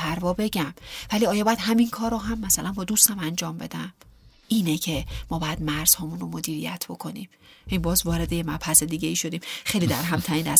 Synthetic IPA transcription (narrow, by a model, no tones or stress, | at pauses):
pʰæɾvɒːbe̞ɟæmvæliɒːjɒbɒjæd̪ɦæminkʰɒːɾoɦæmːæsælænbɒːd̪ust̪æmænd͡ʒɒːmbe̞̰d̪æm | ʔiːnecʰe̞mɒːbɒjæd̪mæɾz̥hɒːmunromod̪iːɾijæ̰t̪ʰb̥o̞kʰo̞niːm | jinibɒːzvɒːɾe̞d̪e̞jemæphæsed̪iːɟeiːʃo̞d̪iːmxejliːd̪æɾɦæmt̪ʰæiːnæ̰s